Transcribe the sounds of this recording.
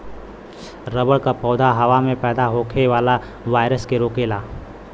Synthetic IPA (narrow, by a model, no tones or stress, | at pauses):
ɾəbəɭkapɔːd̪ʱaɦɐʋamẽpɛːd̪aɦoːkʰeʋaːla | ʋaːjɾəskeɾoːkeːlaː